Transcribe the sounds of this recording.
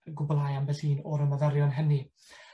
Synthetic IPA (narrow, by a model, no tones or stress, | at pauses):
ɡʊbɔlˠaːjambɛlhiːnɔɾəməðəɾjɔnɦəni